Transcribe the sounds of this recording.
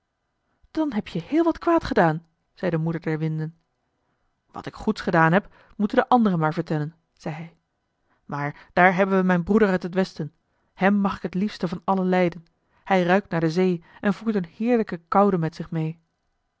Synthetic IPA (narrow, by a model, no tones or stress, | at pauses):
d̥ɑnɦɛpjəhɪːlˠʋɑtkʋaːtχədaːn | z̥ɛjdəmudəɹdɛɹʋɪndən | ʋɑ̰tɪkχutsχədaːnɦɛp | mutəndəʔɑndərəmaːɹvəɹtɛlən | z̥ɛjɦɛj | maːɹd̥aːɹɦɛbənʋəmɛjnbrudəɹœɥtɦətʋɛstən | hɛmːɑχɪkɦətlifstəvɑnɑləlɛjdən | hɛjrœɥk̚tnaːɹdəzejʔɛnvuɹtənhɪːɹləkəkɑwdəmɛtsɪχmej